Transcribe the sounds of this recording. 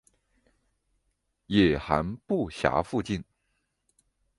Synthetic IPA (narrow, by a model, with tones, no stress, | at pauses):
jɛ˨˩xa̰˧˥npu˥˩ɕja̰˧˥fu˥˧t͡ɕi˥˩n